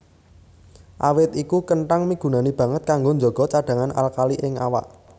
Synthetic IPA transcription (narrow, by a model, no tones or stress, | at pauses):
ʔa̰wɪt̪ikukəɳʈaŋmiɡ̥ṳnanib̥ä̤ŋət̪̚kaŋɡoɲd͡ʒo̤ɡ̥ɔ̤t͡ʃaɖ̥ä̤ŋana̰lkaliʔɪŋa̰wa̰ʔ